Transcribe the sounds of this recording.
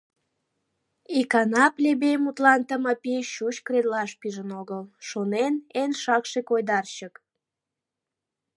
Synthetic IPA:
ikɑnɑplʲebemut̪lɑnt̪əməpiʃut͡ɕkred̪lɑʃpiʒənoɣəlʃonenenʃɑkʃekojd̪ɑrɕək

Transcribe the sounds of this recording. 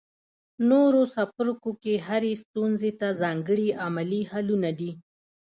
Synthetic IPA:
noɾosapʊɾkokeɦaɾest̪unzet̪azɑŋɡəɽiamalihalunad̪i

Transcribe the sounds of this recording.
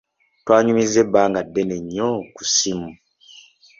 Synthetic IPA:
twaːɲumizebaːŋɡadːeneɲːoku̥simu

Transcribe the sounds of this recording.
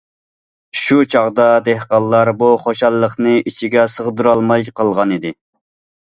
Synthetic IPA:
ʃut͡ʃʰɑʁd̪ɑd̪ehqɑlˠːɑɾbuχoʃɑlˠːəχnɨit͡ʃʰiɡʲɛsəʁd̪ɨɾɑlˠmɑjqʰɑlˠʁɑnid̪ɪ

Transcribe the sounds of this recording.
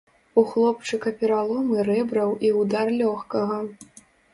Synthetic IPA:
uxlˠɔp̚t͡ʂɨkɐpʲɛɾalˠɔmɨɾɛbɾɐwʔiwd̪arlʲɔxkɐɣɐ

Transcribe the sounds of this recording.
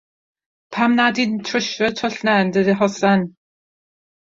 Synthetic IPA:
pʰamnadintʰrəʃrɔtʰɔɬnɛndədiɦɔsɛn

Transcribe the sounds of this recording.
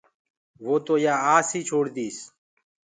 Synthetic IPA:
ʋoːt̪oːjaːaːsiːt͡ʃʰoːɽd̪iːs

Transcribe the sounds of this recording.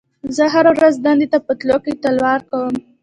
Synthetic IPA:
zəɦaɾawɾazd̪ɑnd̪et̪apət̪loket̪əlwɑɾkawəm

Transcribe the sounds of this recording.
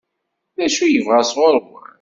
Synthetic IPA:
ðæʃujəvʁæsʁʊɾˤ

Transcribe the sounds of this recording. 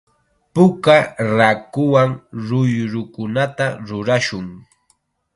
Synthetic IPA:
pʊkaɾakʊwaŋɾʊjɾʊkʊnat̪aɾʊɾaʃʊŋ

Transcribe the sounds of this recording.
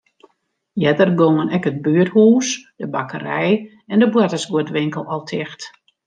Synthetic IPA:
jɛdərɡoŋənɛkəd̚byəthuːsd̥əbakərɛj | ɛndəbwɛtəsɡuotʋɪŋkəlˠɔlˠtʰɪxt

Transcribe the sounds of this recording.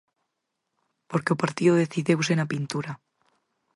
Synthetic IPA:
po̞ɾkeopaɾt̪ioðeθiðewsenapint̪uɾa

